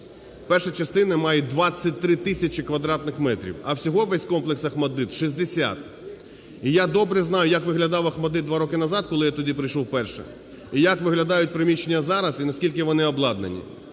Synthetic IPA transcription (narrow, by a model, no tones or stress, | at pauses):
pɛrʃɐt͡ʃɐst̪ɪnɐmɑjɛd̪ʋɑt͡sʲːɐt̚ʲt̪ːɾɪt̪ɪsʲɐt͡ʃɪkʋɐd̪ɾɑt̪̚nɪxmɛt̪ɾʲḭwɐwsʲɔɦɔʋɛsʲkɔmplˠeksɐxmɐd̪ɪd̪ʃizʲd̪esʲa̰t̪ | ijad̪ɔbɾɛznɑjʊjɐkʋɪɦlʲɐd̪ɑwɐxmɐd̪ɪd̪d̪ʋɑɾɔkɪnɐzɑd̪̚kɔlˠɪjat̪ɔdʲipɾɪjʃɔwpɛrʃɛ̰ | ijɐkʋɪɦlʲɐd̪ɑjʊt̚ʲpɾɪmʲit͡ʃenʲːɐzɑɾɐzinɐsʲkʲilʲkɪʋɔnɪɔblˠɑd̪nḛnʲḭ